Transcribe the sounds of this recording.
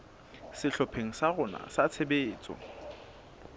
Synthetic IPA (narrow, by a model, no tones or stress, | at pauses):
sɪɬɔpʰeŋ̩saɣʊna̰sat͡sʰebeːt͡sʼɔ̰